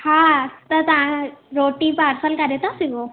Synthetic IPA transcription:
haːt̪ɐt̪ɐʋãɾoːʈipaɾsəlkɐɾet̪asiɡo

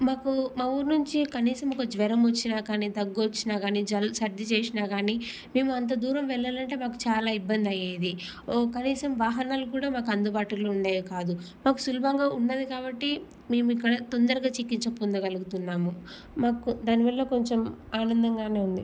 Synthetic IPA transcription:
maːkumɐʋuɾnuɲt͡ʃikɐniːsɐmokɐd͡ʒʋɛɾɐmʋɐt͡ʃːinaːkaːniːt̪ɐɡːuʋot͡ʃːinaːɡaːniːd͡ʒɐlsɐɾd̪ʱit͡ʃeːsinaːɡaːniː | me̞ːmuɐnt̪̬ɐd̪uːɾɐmʋɛɭːaːlɐɳʈe̞ːmaːku̥t͡ʃaːlaːibːɐnd̪ɐjeːd̪i | kɐniːsɐmʋaːɦɐnaːlukuːɽaːmaːk̬ɐnd̪ubaːʈulouɳɖaːjakaːd̪u | maːku̥sulɐbʱɐŋɡaːuɳɖɐd̪ikaːbɐʈːi | me̞ːmuikːɐɽɐt̪o̞nd̪ɐɾɐɡaːt͡ʃikːiɲt͡ʃɐkund̪ɐɡɐluɡut̪unːaːmu | maːkud̪aːniʋɐɭːɐko̞ɲt͡ʃemaːnɐnd̪ɐŋɡaːne̞ːund̪i

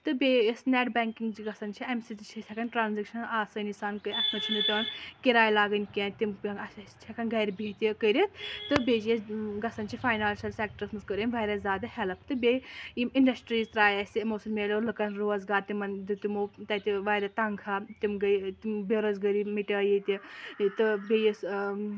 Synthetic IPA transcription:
t̪ɨbesneʈbɛŋkiŋɡd͡ʒiɡɐsɐnt͡ʃʰiɐmsit̪it͡ʃʰisʰɛkɐnʈɾaːnzikʃɐnaːsɐnisaːnkɨjɐt̪ʰnɐt͡ʃʰinut̪ɐnkiɾaːjlaːɡənʲkẽːnt̪imɐst͡ʃʰɛkɐnɡɐjɾbʱit̪ikəɾit̪ɨbed͡ʒjɐsɡɐsɐnt͡ʃʰifʰaːjnaːlsɐlsek̚ʈɐɾsmɨskəɾinʲʋajɾɐzʲaːd̪ɐhelɐpʰt̪ɨbejimiɳɖɐsʈɾiːzt̪ɾaːjɐsimoːsɐlmeːlʲolɨkɐnɾoːɐzɡaːɾt̪imɐnd̪ɨt̪imoːt̪ɐt̪ʲiʋajɾɐt̪ɐŋkʰat̪imɡɐt̪imbeɾɐzɡəɾimiʈʲɐːjit̪it̪ɨbʲejis

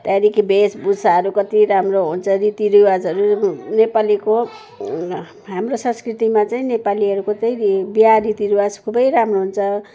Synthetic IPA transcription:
t̪aɾikibesbusaɦʌɾukʌt̪iɾamroɦunt͡sʰʌɾit̪iɾiwad͡zɦʌɾunepaliko | ɦamrosʌ̃nskrit̪imat͡saĩnepaliɦʌɾukot͡sajĩbiarit̪iɾiwad͡zkʰubʌjɾamroɦunt͡sʰʌ

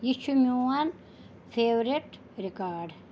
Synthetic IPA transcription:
jit͡ʃʰumuan | fʰeːʋɾeʈ | ɾikaːɖ

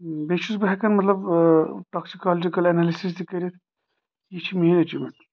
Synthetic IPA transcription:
beʃusbɐɦɛkɐnmɐt̪lɐbʈɔksikalɐd͡ʒikɐlɐnalisis̬t̪ikɐɾit̪ʰ | jit͡ʃʰimɐɦinɐt͡ʃʰimɐ

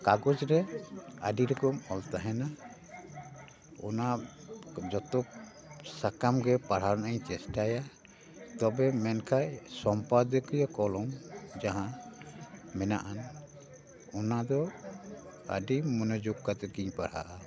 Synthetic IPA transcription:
kaɡɔd͡ʒɾɛaɖiɾɔkɔmɔlt̪aɦɛna | ɔ̰na | d͡ʒɔt̪ɔk̚ | sakamɡɛpaɾaɾnaaɲt͡ʃɛsʈaja | t̪ɔbɛmɛnkʰajsɔmpad̪əkɔjɔkɔlɔmd͡ʒaɦã | mɛna̰ʔan | ɔnad̪ɔ | a̰ɖimɔnɔd͡ʒuɡkat̪ɛkiɲpaɽ̤a̰ʔa

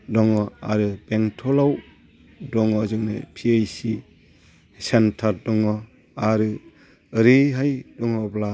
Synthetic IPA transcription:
dɔŋɔaɾɯbeŋtʰɔlaw | dɔŋɔzɯŋnɯ̰pʰiajsi | sentʰaɾdɔŋɔ | aɾɯ | ɾeɦajdɔŋɔbla

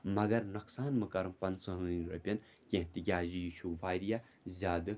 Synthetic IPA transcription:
mɐɡɐɾnuksaːnmɨkɐɾɨmpɐnsoɦɨinʲɾɐ̰pʲɐn | kʲẽɦt̪iɡʲaːzijiʃʰuːʋaːjɾija | zʲaːd̪ɨ

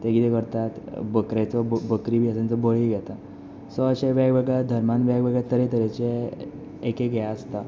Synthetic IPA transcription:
t̪eɡid̪ɛkəɾt̪at̪bəkɾat͡sɔbəkɾibʱiəsãnt͡sɔbəɭiɡʱɛt̪a | sɔəɕeʋaɡbəɡɭɛd̪ʱəɾmanʋaɡʋəɡɭɛt̪əɾet̪əɾet͡ɕeː | keɡjaəst̪a

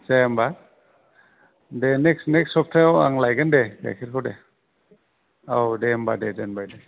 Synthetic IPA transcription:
sajamba | deneksneksɔp̚ʰtʰajawa̰ŋlajɡɯndeɡa̰jkʰiɾkʰawde | awdeambadedenbajde

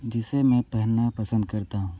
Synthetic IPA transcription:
d͡ʒɪsemɛ̃ːpɛɦnapɐsə̃nd̪̚kɐɾt̪aɦũ

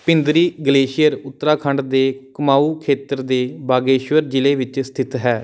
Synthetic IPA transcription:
pɪnd̪ɾiːɡəleːʃɪjəɾʊt̪ːɾaːkʰəɳɖd̪eːkəmaːuːkʰeːt̪əɾd̪eːbaːɡeːʃʋəɾd͡ʒɪleːʋɪt͡ʃst̪ʰɪt̪ɦɛː

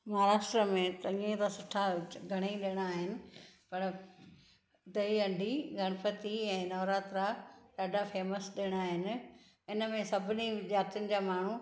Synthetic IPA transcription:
mɐɦaɾaːʃʈɾəmẽt̪ɐĩːẽt̪asʊʈʰaɡʱɐɽ̃aiɗɪɽ̃aːɦɪnɪ̆pɐɾ | d̪ɐiɐ̃ɳɖʱiɡʱɐɽ̃əpət̪iɛ̃ːnɔːɾaːt̪ɾaɗaːɖʱafeːməsɗɪɽ̃aːɦɪnɪ̆ | ɪnəmẽsɐbʱɪnid͡ʑaːt̪ijʊnɪ̆d͡ʑaːmaːɳ̤u

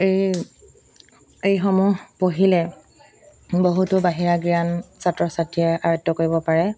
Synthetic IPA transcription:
ej | ejxomuɦpoɦilɛ | boɦutʊbaɦiɹaɡɹiansatɹɔsatiɛʔaɹɔjtːɔkoɹibɔpaɹɛ

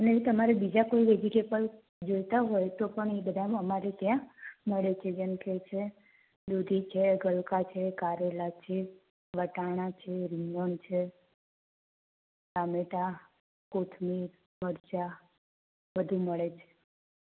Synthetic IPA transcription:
əneeʋit̪əmaɾebid͡ʒakoiʋed͡ʒiʈebəl | d͡ʒojt̪aɦojt̪opəɳebəd̪ʱaəmaɾet̪jãməɭet͡ʃʰed͡ʒənket͡ʃʰe | d̪ud̪ʱit͡ʃʰeɡəɭkat͡ʃʰekaɾelat͡ʃʰe | ʋəʈaɽ̃ãt͡ʃʰeɾiɲont͡ʃʰe | sameʈa | kot̪ʰmiɾ | məɾt͡ʃa | ʋəd̪ʱuməɭet͡ʃʰe̥

